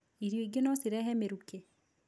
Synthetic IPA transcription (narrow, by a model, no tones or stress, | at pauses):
iɾjoiɡenɔsiɾɛɦɛmeɾuke